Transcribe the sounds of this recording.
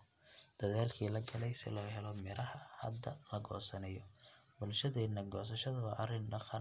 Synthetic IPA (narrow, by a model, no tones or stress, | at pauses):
d̪̥ɐðaːlkʰiːlɐɡɐlɛjsɪ̰lɔːɦɛlɔmɪɾɐhɐhɐ̰d̪ːɐlɐɡɔ̰ːsɐnɐjɔ | bʊlʃɐðɛːnːɐɡɔːs̬ɐʃɐðɐβɐʔɐrɪnɖɑqɑ